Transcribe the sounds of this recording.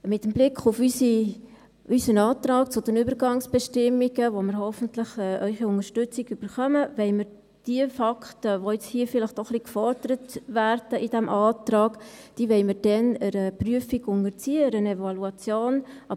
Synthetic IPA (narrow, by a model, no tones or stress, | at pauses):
mɪtːəmblɪkχʊfysi | ysənɑːt̪rɑːkt͡sʊd̥ənybəɾɡɑŋsb̥ɛʃtɪmːiɡəʋoməɾhɔfəntləχɛʔœʏχiʊŋəʃtʏt͡siɡ̥yb̥əɾχœməvɛɪməɾ | d̥iəfɑkχtəʋojɛt͡shiːfɪlɪχtɔχlikfɔɾd̥əɾətværd̥əʔid̥æmʔɑːtɾɑːɡd̥iːʋɛɪməɾd̥ɛnəɾəpryəfiɡʊŋəɾt͡siːəəɾənɛvɑluɑt͡sjoːnɑ